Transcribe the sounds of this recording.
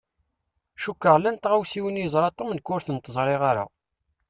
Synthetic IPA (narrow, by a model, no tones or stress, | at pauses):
ʃukːəʁlænt̪ʁawsiwənjəzˤɾˤɑt̪ˤːomnkːʊɾθənt̪ˤːəzˤɾˤeʁaɾa̰